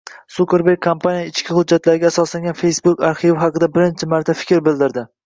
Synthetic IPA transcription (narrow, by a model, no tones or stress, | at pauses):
supʲe̞ɾbekʲʰːompʰanijaɪt͡ʃkʲɪhʊd͡ʒːat̪laɾɪɡʲaːsɒslaŋɡʲanfe̞jsbʊkʲaɾχivɪɦɑqɨd̪abɪɾɪnt͡ʃʰɪmaɾt̪ʰafɪ̥kʲʰɾbɪld̪ɪɾd̪ɪ